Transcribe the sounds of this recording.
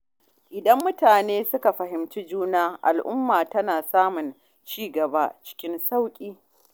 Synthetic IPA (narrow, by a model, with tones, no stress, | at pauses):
ʔɪ˨dɐ˦mːʊ˦taː˨neː˦sʊ˦ka˨ɸɐ˨ɦɪ˨mt͡ʃi˦d͡ʒuː˦naː˦ʔa̰˨lʔʊ̰˦mːaː˨tɐ˦naː˨saː˦mʊ˨n | t͡ʃiː˦ɡɐ˨ba˦t͡ʃɪ̥˦kʲɪ˦nsa˦wkʲʼiː˦